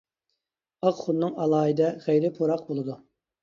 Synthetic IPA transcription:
ɑqχʊnnːɨŋɑlˠɑːid̪ɛχejɾɪpʰoɾɑqbolˠɨd̪u

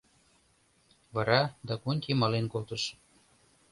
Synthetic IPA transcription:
vɑɾɑd̪ɑkonʲkemɑlenkolt̪əʃ

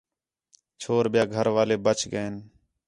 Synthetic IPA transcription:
t͡ʃʰoːɾbɪjaːɡʱəɾʋaːleːbət͡ʃʰɡəeːn

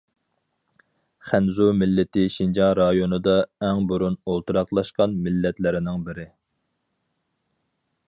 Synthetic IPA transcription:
χænzumɪlːɪt̪ɪʃind͡ʒɑɾɑjonɨd̪ɑɛŋbuɾunolˠt̪ʰuɾɑqlˠɑʃqɑnmɪlːɛt̪lɪɾɪnɪŋbɪɾɪ

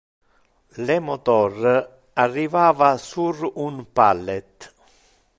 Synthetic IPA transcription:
lɛmɔt̪ɔr | arːivaːvasurunpalːɛt̪

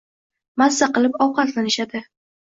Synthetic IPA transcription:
masːaqɨlˠɪpɒwqɑt̪lanɪʃad̪ɪ

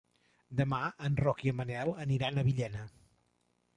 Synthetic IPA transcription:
d̪əmaənrɔkiəmənɛlˠəniɾanəβiʎɛnə

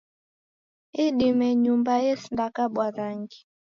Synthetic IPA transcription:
iɗimɛɲumbaɛsndakaɓwaɾaŋɡi

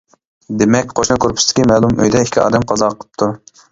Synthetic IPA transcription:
d̪emɛk̚ʲqʰoʃnɨkʲʰøɾpʰɪ̥sd̪ɪ̥kʲimɛːlˠumø̰jd̪ɛikʲʰiɑ̰ːd̪ɛmqʰɑzɑqʰəlˠə̥p̚t̪ʰu

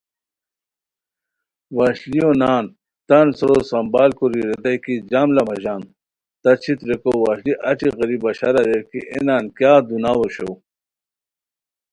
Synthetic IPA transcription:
waɕlionaːn | t̪ɐnsoɾosɐmbaːlkuɾiɾed̪ɐjkid͡ʑamlɐmɐʑaːn | t̪ɐt͡ɕʰit̪ɾekowaɕliʔɐʈ͡ʂiɣɐɾibɐɕɐɾɐɾeɾkḭʔḛnaːnkjaːd̪unaːwoɕo̰

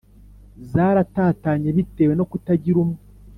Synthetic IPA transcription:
zaːɾataːtaːɲeβite̞ːweno̞kutaɟiɾumŋe

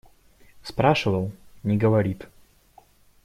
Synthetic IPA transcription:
spɾaʂɨvəlˠnʲɪɡəvɐɾʲit̪

